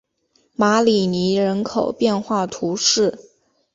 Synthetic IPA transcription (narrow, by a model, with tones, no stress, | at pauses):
ma˧˥li˨˩ni˧˥ɻə˧˥nkʰo˨˩ʊpjɛ˥˧nxwa˥˩t̪ʰu˧˥ʂɻ̩˥˩